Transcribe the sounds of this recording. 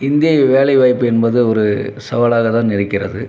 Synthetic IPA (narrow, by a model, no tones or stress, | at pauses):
ɪnd̪ɪjɐʋeːlɐɪʋɐːjpːɯɛnbɐðɯɔɾɯsɐʋɐlaːɣɐt̪ãːnɪɾɯkːɪrɐ̰ðɯ